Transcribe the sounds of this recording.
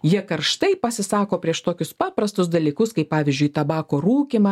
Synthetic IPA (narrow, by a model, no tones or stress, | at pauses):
jiɛkɐɾʃt̪ɐɪpɐsʲɪsɑːkoːpʲɾʲiɛʃt̪oːkʲʊspɑːpɾɐst̪ʊsd̪ɐlʲiːkʊskɐɪppɑːʋʲɪzʲd͡ʒʲʊɪt̪ɐbɑːkoːɾuːkʲimɑ